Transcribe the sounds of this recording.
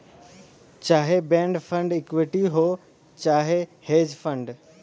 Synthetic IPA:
t͡ɕaːɦebɛ̃ːɳɖfʰə̃ɳɖɪkʋɪʈiɦoː | t͡ɕaːɦeheːd͡ʑfə̃ɳɖ

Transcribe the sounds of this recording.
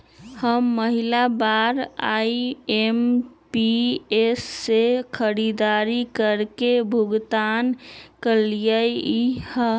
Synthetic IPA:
həmːəɦilabaɾa̰iempiesːekʰəɾid̪aɾikəɾkebʱuɡt̪ankəlijəjih

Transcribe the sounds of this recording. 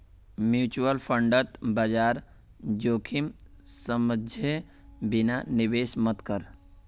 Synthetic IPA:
mjuːt͡ʃuəlpʰə̃ɳɖət̪bad͡ʒaːɾ | d͡ʒoːkʰimsəməd͡ʒʱe | bɪnanɪʋeːsmət̪kəɾ

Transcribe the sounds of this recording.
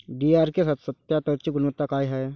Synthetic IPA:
ɖiːaːɾkesɐt̪sɐt̪jat̪əɾt͡ʃiɡʊnʋət̪ːakaːiɦɛ

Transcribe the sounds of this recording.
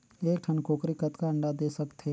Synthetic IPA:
eːkʈʰɐnkoːkɾikət̪kaɐ̃ɳɖad̪eːsɐkt̪ɦeː

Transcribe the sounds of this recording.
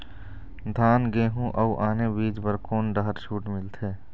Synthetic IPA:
d̪ʱaːnɡeːɦũʔɐuʔaːnebiːd͡ʒbəɾkoːnɖəɦəɾʃuːʈmɪlt̪ʰeː

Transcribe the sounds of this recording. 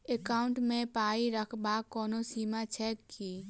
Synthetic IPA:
ekaʊɳʈmẽpaːiɾəkʰbakːɔːnosiːmat͡ʃʰɛːkːi

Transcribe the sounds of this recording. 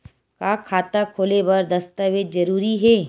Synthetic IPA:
kaːkʰːaːt̪akʰoːlebɐɾd̪ɐst̪aʋed̪d͡ʒɐɾuːɾiɦɛː

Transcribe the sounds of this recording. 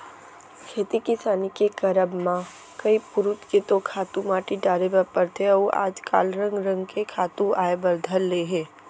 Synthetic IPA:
kʰeːt̪ikɪsaːnikekɐɾəbmã | kɐipʊɾʊt͡ʃket̪okʰaːt̪ũmaːʈiɖaːɾebəɾpəɾt̪ʰeɔa̰ːd͡ʒka̰ːlɾə̃ŋɡɾə̃ŋɡkekʰaːt̪ũaːebɐɾd̪ʱəllːeɦɛ̃ː

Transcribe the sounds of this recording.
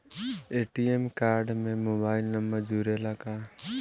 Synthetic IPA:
eːʈiemkaːɾɖmẽmoːbaːɪlnəmbəɾd͡ʒuːɾelakaː

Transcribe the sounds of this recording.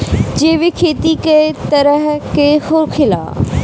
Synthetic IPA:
d͡ʒeːʋikʰeːt̪iket̪ɐɾəɦkehokʰɪla̰ː

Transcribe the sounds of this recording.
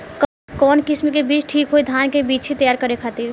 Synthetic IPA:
k | kɔːnkɪsmikebiːt͡ʃʈʰiːkɦoid̪ʱaːnkebiːt͡ʃɦit̪əjaːɾkəɾekʰaːt̪iɾ

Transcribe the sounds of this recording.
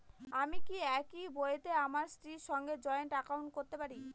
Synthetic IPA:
amikiɛkibojet̪eamaɾstɾiɾʃɔŋɡed͡ʑɔeonʈakauwɳʈ̚koɾt̪epaɾi

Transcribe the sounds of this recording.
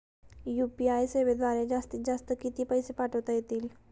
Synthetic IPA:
jupiajseʋed̪ʋaɾed͡zast̪id͡zast̪əkit̪iːpəjsepaʈʰəʋt̪ajet̪iːl

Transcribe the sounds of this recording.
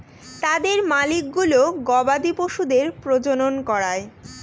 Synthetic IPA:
t̪ad̪eɾmalik̚ɡuloɡɔbad̪ipoʃud̪eɾpɾod͡ʑononkɔɾae

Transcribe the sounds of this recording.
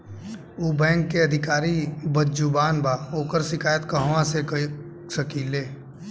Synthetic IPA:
uːbɛ̃ːŋkːeɐd̪ʱɪkaːɾibədd͡ʒubaːnbaːoːkəɾʃɪkʰaːjət̪kəɦʋãsek | səkileː

